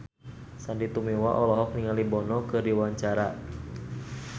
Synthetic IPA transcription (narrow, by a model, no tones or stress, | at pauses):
sandit̪umiwaʔɔlɔɦɔk̚niŋalibɔnɔkɨrdiwaɲt͡ʃaɾa